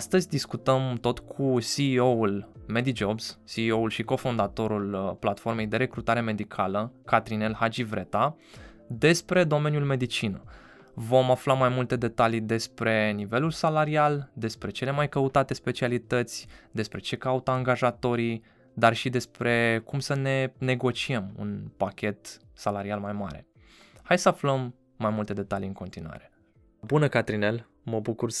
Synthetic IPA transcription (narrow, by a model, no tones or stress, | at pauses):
st̪əzʲd̪iskut̪əmt̪o̞t̪kʰusioulme̞d̪id͡ʒo̞bz̥sioulʃiko̞fond̪at̪o̞ɾulplat̪fo̞rme̞jd̪e̞ɾe̞kɾut̪aɾe̞me̞d̪ikʰaləkat̪ɾine̞lhad͡ʒivɾe̞t̪a | d̪e̞spɾe̞d̪o̞me̞njulme̞d̪it͡ʃinə | vo̞maflamajmult̪e̞d̪e̞t̪alid̪e̞spɾe̞nive̞lulsalaɾiald̪e̞spɾe̞t͡ʃe̞le̞majkəut̪at̪e̞spe̞t͡ʃialit̪ət̪sʲd̪e̞spɾe̞t͡ʃe̞kaut̪aːŋɡaʒat̪o̞ɾi | d̪arʃid̪e̞spɾe̞kumsəne̞ne̞ɡo̞t͡ʃiemṵnpakʲe̞t̪ | salaɾialmajma̰ɾe̞̰ | hajsəafləmː | ajmult̪e̞d̪e̞t̪aliɨŋko̞nt̪inuwa̰ɾe̞ | bunəkat̪ɾine̞l | məbukur